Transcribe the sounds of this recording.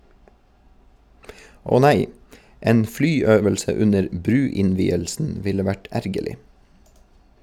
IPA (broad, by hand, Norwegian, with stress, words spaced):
ˈoː ˈnæɪ ˈeːn ˈflyːˌøːʋəlsə ˈʉnəɾ ˈbɾʉːɪnˌʋiːəlsn̩ ˈʋɪlə ˈʋæʈ ˈæɾɡəlɪ